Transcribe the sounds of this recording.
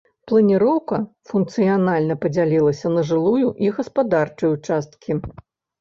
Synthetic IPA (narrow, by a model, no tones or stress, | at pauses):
plˠɐnʲiɾɔwkɐfunkt̪sɨjanalʲnɐpɐd͡zʲalʲilˠɐsʲɐnɐʐɨlˠujuʔiɣɐspad̪art͡ʂɨjut͡ʂast̪kʲʰi